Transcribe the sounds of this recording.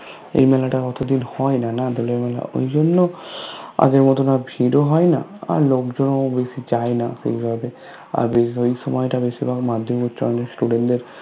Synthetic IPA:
ḛjmɛlaʈakɔt̪od̪inhɔenanad̪olemɛla̰o̰jd͡ʑonːo | a̰ɡeɾmɔt̪onabʱiɾoɦɔena̰a̰ɾlokd͡ʑonobeʃid͡ʑaenasḛibʱabe | a̰ɾbeojʃɔmɔeʈabeʃibʱakmad̪ʱːomkutːt͡ɕʰɔ̰jnesʈuɖeɳdeɾ

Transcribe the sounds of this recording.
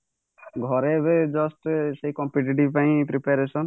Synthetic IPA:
ɡʱɔɾebed͡ʒɔsʈseɦikɔmpiʈ̬iʈ̬ibpaĩpɾipaɾesɔn

